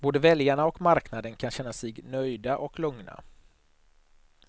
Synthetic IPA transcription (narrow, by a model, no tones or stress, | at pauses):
boːd̪əvɛljaɳaɔkmaɾknad̪ənkʰanɕɛnːasɛɡnœjd̪aʔɔklɵŋna̰